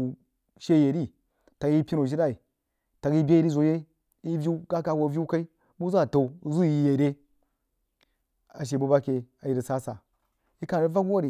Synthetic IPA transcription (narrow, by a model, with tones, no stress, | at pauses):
ʃe˦je˨ɾi˦˨ | ta˨ɡi˦pʲi˦no˨ʃi˦da˦i˨ | ta˨ɡi˦bʲe˦e˨ɾi˦zo˨je˦ | i˦vʲi˦u˦ɡa˦ka˨wo˨vʲi˦ka˦i˦ | bu˦zu˦a˦˨ta˨u˨˦zu˦ji˨je˨ɾe˦ | a˨ʃ̬e˨bu˦ba˦ke˨a˨ji˨ɾi˨sa˦sa˨ | i˦ka˨nɾi˦va˦ɡu˦wa˦ɾi˨